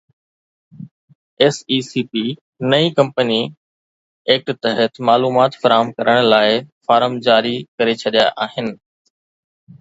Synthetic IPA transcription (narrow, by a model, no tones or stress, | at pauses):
eːsiːsiːpi | nɐikɐ̃mpəni | eːk̚ʈt̪ɐɦət̪maːluːmaːt̪fɐɾaːɦəmkɐɾəɽ̃laːɪfaːɾəmd͡ʑaːɾikɐɾet͡ɕʰɐɗija̰ʔaːɦɪnɪ̆